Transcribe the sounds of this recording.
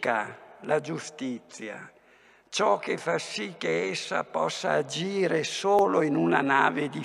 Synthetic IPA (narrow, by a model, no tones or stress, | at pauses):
kalad͡ʒust̪it̪sːja̰ | t͡ʃɔkːefːasikːeesːa̰pɔsːa̰ːd͡ʒiːɾesoːloinunana̰ːved̪i